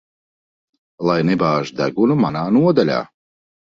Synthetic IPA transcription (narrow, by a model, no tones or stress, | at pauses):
lˠajnɛbaːʒd̪æ̰ɡunumanaːnuɔd̪alʲa̰ː